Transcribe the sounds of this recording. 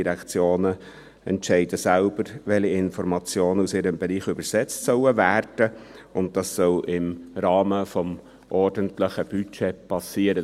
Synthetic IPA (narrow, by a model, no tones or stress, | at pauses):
iɾɛkt͡sjoːnə | ɛntʃɛɪdəsælb̥əɾʋɛliɪnfɔɾmɑt͡sjoːnəusɪɾəmbɛɾiːχʏbəɾsɛt͡stsœʊəvæːɾd̥əʊnt̚d̥ɑsːœlʔɪmɾɑːməfɔm | ʔɔɾdəntlɪχəb̥yt͡ʃepʰɑsiːəɾə